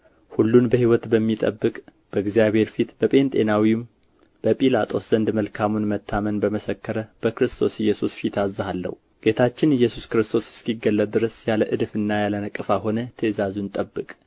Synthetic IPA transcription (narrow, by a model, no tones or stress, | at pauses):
hulːunbəhiwɔt̪bəmːit̪ʼə̰bːɨkʼ | b̥əɡzijaβhe̞ɾfit̪b̥əpʼe̞nt̪ʼe̞nawim | b̥əpʼilat̪ʼo̞sz̥ənd̪məlkʰamunmət̪ʰːamənbəməsəkːəɾəb̥əkɾɨst̪ʰo̞sɨjːɛsusfit̪ʰazːɨɦalːə̰hu | ɡ̥e̞t̪ʰat͡ʃːɪnɪjːɛsuskɨɾɨst̪ʰo̞sɪ̥skiɡːəlːət̪̚d̪ɨɾəsjaləʔɨd̪fɨnːajalənəkʼːɨfaɦo̞nət̪ʰezazunt̪ʼəbːɨkʼ